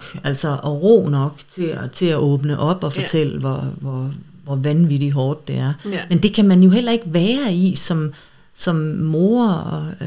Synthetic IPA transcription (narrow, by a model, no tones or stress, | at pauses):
æl̰sɒʔɒ̽ʁo̰ːnɒ̽ɡ̥t͡sʰe̝t͡sʰe̝læʔɔ̽ːb̥nəʔɒ̽b̥ɒ̽fɒt͡sʰel̰əʋɒʋɒ | ʋɒʋænʋid̥iɦɒːd̥ːe̝æɐmend̥e̝kʰæmænjo̝ɦel̰ɐe̝ɡ̥əʋæːɐisɒ̽m | sɒ̽mːo̝ːɐɒ